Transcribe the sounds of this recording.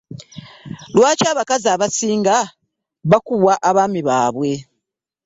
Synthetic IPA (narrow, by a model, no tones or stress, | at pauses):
lwaːcaːβakaziaːβasiːŋɡa | βakuβwaʔaβaːmiβaːβwe̞